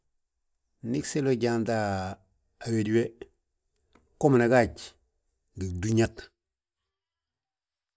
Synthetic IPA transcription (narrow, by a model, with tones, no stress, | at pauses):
ni˦kse˦lo˦ɟa˨ndaː˨ | we˨di˦we˦ | ko˦m˨ne˨ɡa˦˨ɟ | ɡi˨du˦ɲa˦t